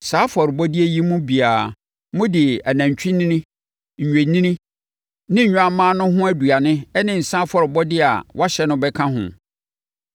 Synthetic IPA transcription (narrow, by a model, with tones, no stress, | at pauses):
saː˨˦fɔ˨ɾbɔ˦di˦e˦ji˦mũ˦bi˨aː˨˦ | mʊ̃˦dɪ˨æ˨næ̃˨ɲ˨t͡ɕᶣĩ˦nĩ˦nĩ˦ | ɲ̩˨ɲᶣẽ˨nĩ˦nĩ˦ | nɪ̃˦ɲ̩˨ɲᶣ˦a˨mãː˦nʊ̃˦ɦʊ̃˦æ˦du˨a˨nɪ̃˦ɛ˦nɪ̃˨n̩˨sã˦fɔ˦ɾɪ˨bɔ˦dɪ˦a̰˨wʔa˦ɕɛ˦nʊ̃˦bɛ˦kʰã˦ɦʊ̰̃˨